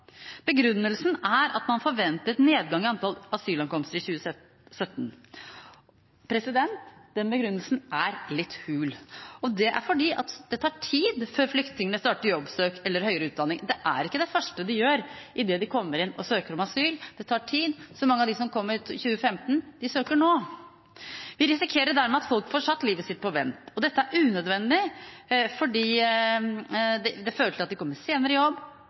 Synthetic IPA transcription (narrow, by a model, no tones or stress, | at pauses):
b̥əɡɾʉnːəlsnæɾɑ̰t̪mɑnfɔɾʋɛnt̪əneːd̪̚ɡɑŋɪɑnt̪ʰɑlɑsyːlɑnkɔmst̪əɾɪçʉːə | sœt̪ːn | pʰɾɛsɪd̪ɛnt̪d̪̥ɛnbəɡɾʉnːəlsnʔæɾlɪt̪ːhʉːlɔd̪ɛʔæ̰ɾfɔɖiːʔɑ̰t̪d̪̥ɛt̪ʰɑːʈʰiːd̪føːɾflʏkt̪nɪŋənəst̪ɑːʈəɾjɔbsøːkɛlːəɾhœʏəɾəʉːt̪̚d̪ɑnɪŋd̪ɛʔæ̰ɾɪkːəd̪ɛfœʂʈəd̪ɪjøːɾʔɪd̪ɛd̪ɪkʰɔmːəɾɪnːɔsøːkəɾɔmɑsyːld̪̥ɛt̪ʰɑːʈʰiːd̪sɔmɑŋːɑʋd̪ɪsɔmkʰɔmːəɾçʉːəfɛmt̪n̩d̪ɪsøːkəɳoː | ʋɪɾɪsɪkʰeːɾəɖæɾmɛɑt̪fɔlkfɔʂɑt̪ːliːʋəsɪt̪̚ːpʰɔʋɛnt̪ɔd̪ɛt̪ːəæɾʉːnœd̪ʋɛnːd̪ɪ | fɔɖiː | d̪ɛd̪ɛføːɾəʈʰɪlɑt̪̚d̪ɪkɔmːəɾseːnəɾəjɔbː